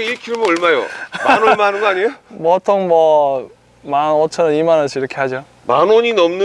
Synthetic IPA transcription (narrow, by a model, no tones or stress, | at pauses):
ikʰiɾmoɯɭmajo̰manɯmaɦanɯnɡʌaɲijomʌtʰoŋmʌ | manʌt͡ɕʰʌnɯnimanʌs͈ʰiiɾʌkʰe̞had͡ʑo | manoɲinʌmnɯ